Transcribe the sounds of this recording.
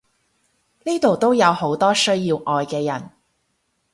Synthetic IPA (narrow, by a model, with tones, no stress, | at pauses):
niː˥t̪o˨wt̪o˥wjɐ˨˧who˨˥wt̪ɔː˥sɵ˥ɥjiː˧wʔɔː˨jkɛː˧jɐ˨˩n